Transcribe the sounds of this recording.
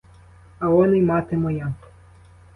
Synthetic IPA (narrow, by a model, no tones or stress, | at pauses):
ɐɔnɪjmɑt̪ɪmɔja